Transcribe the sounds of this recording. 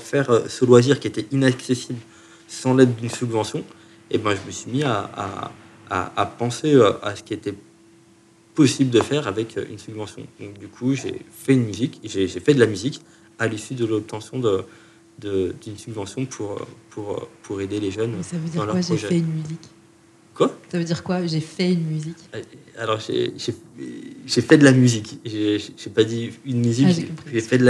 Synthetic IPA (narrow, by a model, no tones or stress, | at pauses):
fɛʁøsəlwaziʁkʲiet̪ɛinaksesibl | sɑ̃lɛd̪d̪ynsybvɑ̃sjɔ̃ | ebɛ̃ʒəməsɥimiaa̰ː | pɑ̃seøʔa̰sə̥kʲiet̪ɛ | pɔsibləd̪əfɛʁavɛkʰø̰y̰nsybvɑ̃sjɔ̰̃d̪ɔ̃k̚d̪ykʰuʒḛfɛynmyzikʒeʒefɛd̪əlamyzik | alisyd̪əlɔp̚t̪ɑ̃sjɔ̃d̪ə | d̪əd̪ynsybvɑ̃sjɔ̃pʰuʁø̰pʰuʁø̰pʰuʁed̪eleʒœnsavød̪idɑ̃lœwʁapʒɔʒɛɛynmyzik | kwasavød̪iʁkwaʒefɛynmyzika̰lɔʁʒḛʒe | ʒefɛd̪əlamyzikʒeʒʒ̥epad̪iynmyzikʒekpχiʒefɛd̪əla